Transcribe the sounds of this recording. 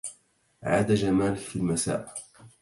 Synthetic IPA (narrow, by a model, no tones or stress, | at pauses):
ʕa̰ːd̪ad͡ʒamaːlɪkfilmasa̰ːʔ